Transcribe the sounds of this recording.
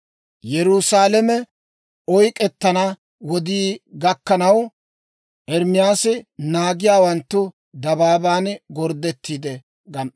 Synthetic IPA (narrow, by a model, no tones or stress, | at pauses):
jɛɾusaːlɛmɛ | ɔjkʼɛt̪ːɐnɐ | wɔd̪iːɡɐkːɐnɐw | ʔɛɾmɪjaːsɪnaːɡɪjaːwɐnt̪ːʊ | d̪ɐbaːbaːnɡɔɾd̪ɛt̪ːiːd̪ɛ | ɡɐm